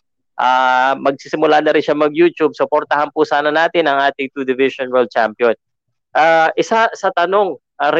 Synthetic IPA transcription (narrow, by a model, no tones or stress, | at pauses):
ʔaːmɐɡ̚sisɪmʊlanɐɾɪnʃamɐɡjuːt͡ʃ̪ub̚sʊpoɾt̪ɐhɐnpusaːnɐnaːt̪ɪnɐŋʔaːt̪ɪŋt̪ud̪ɪvɪsonwɛld̪̚t͡ʃa̰mpjon | ʔaʔɪsaʔsɐt̪ɐno̞ŋ | ʔɐɾ